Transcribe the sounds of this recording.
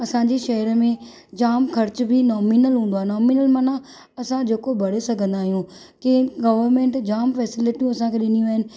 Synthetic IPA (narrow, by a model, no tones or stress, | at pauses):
ɐsãd͡ʑeʃɐɦəɾmẽ | d͡ʑaːmkʰɐɾt͡ɕbʱɪnɔːminəlɦũːnd̪oaːenɔːminəlmɐna | ɐsãd͡ʑeːkobʱɐɽ̤esɐɡʱə̃nd̪aːɦijũ | keɡɐʋəɾmẽːɳʈd͡ʑaːmfɛːsɪlɪʈijũɐsãkʰeɗɪn̤ijũaːɦɪnɪ̆